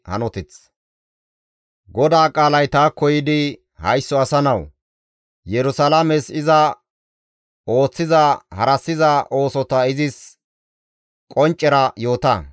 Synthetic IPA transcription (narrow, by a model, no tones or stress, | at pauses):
hɐ̰nɔt̪ɪt͡s | ɡɔd̪aːkʼaːlɐjt̪aːkɔjɪd̪ɪ | hɐjsːɔɐsɐnɐw | jɛɾʊsɐlɐmɛsɪzɐ | o̞ːt͡sːɪzɐhɐɾɐsːɪzɐʔo̞ːsɔt̪ɐɪzɪs | kʼɔnt͡ʃʼːɛɾɐjo̞ːt̪ɐ